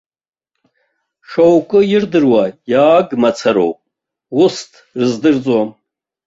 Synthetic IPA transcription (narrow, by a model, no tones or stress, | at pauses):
ʂowkʷʼɨjɪrdɨrwajaːɡmat͡sʰaɾo̰wpʼ | wʊstʰrɨzdɨrt͡sʼwam